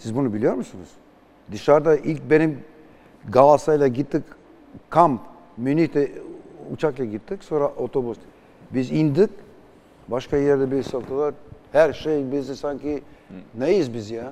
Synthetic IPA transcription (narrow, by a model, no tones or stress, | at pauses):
sizbunubilʲijo̞ɾmusunuz̥ | d̪ɯʃaɾd̪aʔilʲc̚be̞nim | ɡalˠasajlˠaɟit̪ːik | kʰamp | mynit̪ʰɛṵt͡ʃʰaklˠaɟit̪ːicso̞nɾaʔot̪ʰo̞bus | bizind̪ɯk | baʃkajɛɾd̪ɛbiɾsalˠt̪ɯlˠaɾhæɾʃejbizisaɲcinejɯzbizija